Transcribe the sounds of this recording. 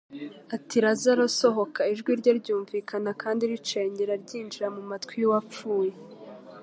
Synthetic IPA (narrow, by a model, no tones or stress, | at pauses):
atiɾazaɾoso̞ɦo̞kʰaiʒɡwiɾɟoɾɟuːɱviːkʰanakʰaːndiɾit͡ʃeːɲɟeɾaɾɟiːnd͡ʒiɾamumatkwijuwap͡fuːje